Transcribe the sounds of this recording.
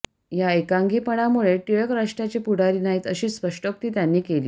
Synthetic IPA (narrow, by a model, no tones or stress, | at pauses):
jaekaŋɡiːpəɽ̃amuɭeʈiɭjəkɾaʂʈɾjat͡ɕepuɽ̤aɾiːnaɦiːt̪əɕiːspəʂʈək̚t̪iːt̪janːiːkelḭː